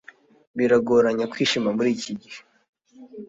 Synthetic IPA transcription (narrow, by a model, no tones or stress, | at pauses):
βiɾaɡoɾaɲakwiːʃimamuɾiːciɟihe